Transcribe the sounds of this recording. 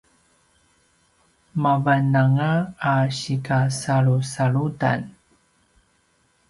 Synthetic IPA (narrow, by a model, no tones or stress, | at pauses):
mavanaŋaːɕikasaɭusaɭuda̰n